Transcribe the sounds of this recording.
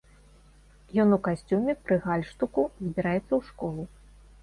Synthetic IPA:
jɔnukasʲt͡sʲumʲɛpɾɨɣalʲʂt̪ukuzʲbʲiɾajɛt̪sːɐwʂkɔlˠu

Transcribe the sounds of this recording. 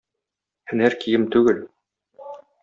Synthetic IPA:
hɘ̆næɾkijɘmt̪ʉɡɘl

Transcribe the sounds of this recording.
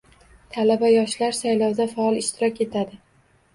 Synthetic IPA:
t̪ʰalabajɒʃlaɾsajlɒwd̪afaɒlˠɪʃt̪ʰɪɾɒkʲe̞t̪ʰad̪ɪ

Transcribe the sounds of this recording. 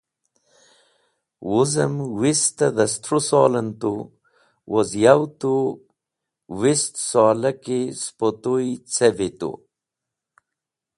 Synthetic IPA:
wuzɐmwist̪ɐðɐst̪ʰɾusoːlɐnt̪u | wʔozjawt̪u | wist̪saːlɐkispot̪uit͡sevit̪ṵ

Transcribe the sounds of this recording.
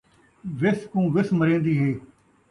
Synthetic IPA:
ʋɪskũːʋɪsməɾẽːnd̪iːɦeː

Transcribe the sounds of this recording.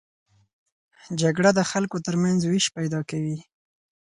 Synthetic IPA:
d͡ʒaɡɽad̪əxalkot̪əɾmanzwiʃpajd̪ɑkawi

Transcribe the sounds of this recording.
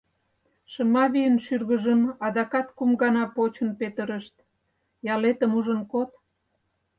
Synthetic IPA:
ʃəmɑβijənʃyrɣəʒəmɑd̪ɑkɑt̪kumɡɑnɑpot͡ɕənpet̪əɾəʃt̪ | jɑlet̪əmuʒənkot̪

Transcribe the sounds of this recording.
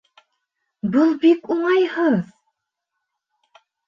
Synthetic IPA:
bɤlˠbikuɴɑjhɤð

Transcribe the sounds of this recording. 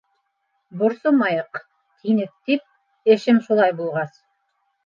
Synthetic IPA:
bʊɾsomɑjəq | t̪ʰijnek̚t̪ip̚ | eʃɪmʃolˠɑjbulˠʁɑs

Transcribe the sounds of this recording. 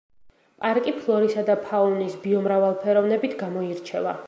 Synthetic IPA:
pʼaɾkʼipʰlˠɔɾisad̪apʰaunisbiɔmɾavalˠpʰɛɾɔvnɛbit̪ʰɡamɔiɾt͡ʃʰɛva̰

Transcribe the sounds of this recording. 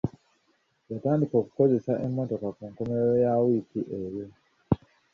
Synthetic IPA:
jatandikɔku̥kɔzesaʔɛmɔtɔkakɔŋkɔmɛɾɔjawikiʔejɔ

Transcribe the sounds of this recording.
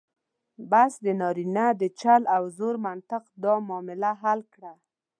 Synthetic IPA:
basd̪ənɑɾinad̪ət͡ʃalawzoɾmant̪ɪqd̪ɑmɑmɪlaɦalkɽa

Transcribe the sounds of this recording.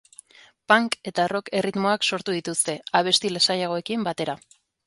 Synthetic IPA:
paŋke̞t̪aro̞ke̞rit̪mo̞akso̞ɾt̪uð̞it̪ust̪e̞aβ̞e̞st̪ilasajaɣ̞o̞e̞kimbat̪e̞ɾa

